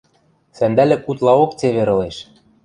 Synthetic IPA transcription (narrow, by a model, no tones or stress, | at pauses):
sænd̪ælʲɘ̆kut̪lˠɑokt͡seβeɾɤ̆leʃ